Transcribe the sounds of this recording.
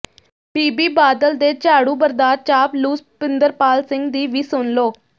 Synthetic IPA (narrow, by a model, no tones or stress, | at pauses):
piːbiːbaːd̪əld̪eːt͡ʃaːɽuːbəɾd̪aːɾ̚t͡ʃaːpluːspɪnd̪əɾpaːlsɪ̃ŋɡd̪iːʋiːsʊnloː